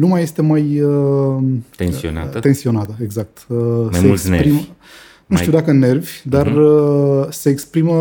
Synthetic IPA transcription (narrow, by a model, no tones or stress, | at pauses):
numajest̪e̞majə | ea̰t̪e̞nsio̞nat̪əeɡzak̚t̪əseeksspɾim | nuʃt̪iud̪akəne̞rvʲd̪arəseːkspɾimə